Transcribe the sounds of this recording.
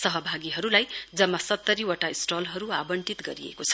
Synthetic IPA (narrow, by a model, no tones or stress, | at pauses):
sʌɦʌbʱaɡiɦʌɾulajd͡zʌmːasʌt̪ːʌɾiwʌʈaisʈolɦʌɾuabʌɳʈit̪ɡʌɾiḛkot͡sʰʌ̥